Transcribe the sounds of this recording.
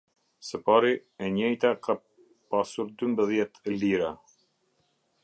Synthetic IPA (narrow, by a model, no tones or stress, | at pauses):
səpaɾiɛɲɛjt̪akʰa | pasuɾd̪ymbəðjɛt̪liɾa